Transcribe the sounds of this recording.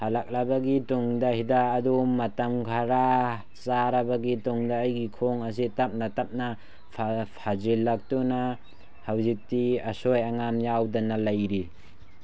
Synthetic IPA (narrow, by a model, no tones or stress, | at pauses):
halak̚labaɡitɔŋdahidaːdumːatamkʰaɾa | saɾabaɡitɔŋdaːjɡikʰoŋas̬itap̚natap̚na | pʰpʰazilːak̚tuna | hawzik̚tiasojaŋamjawdanalajɾi